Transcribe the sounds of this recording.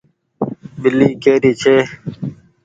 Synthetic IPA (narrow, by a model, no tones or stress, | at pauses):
bilːiːkeːɾiːt͡ɕʰeː